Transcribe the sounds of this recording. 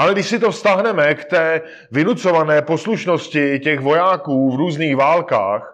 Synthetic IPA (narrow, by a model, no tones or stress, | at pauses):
ʔalɛɡdɪʃsɪt̪o̞fst̪aɦnɛmɛkt̪ɛː | vɪnut͡so̞vanɛːpo̞sluʃno̞scɪcɛxvojaːkuːvɾuːzniːxvaːlka̰ːx